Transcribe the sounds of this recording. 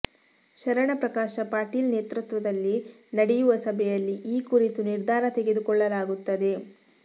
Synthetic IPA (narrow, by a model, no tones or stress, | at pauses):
ʃɐɾɐɳɐpɾɐkaːʃɐpaːɾʈiːlneːt̪ɾut̪ʋɐd̪ɐlːi | nɐɽɛjuʋɐsɐbʱɛjɐlːiʔiːkuɾit̪uniɾd̪ʱaːɾɐt̪e̞ɡe̞d̪ukɔɭːɐlaːɡut̪ːɐd̪e̞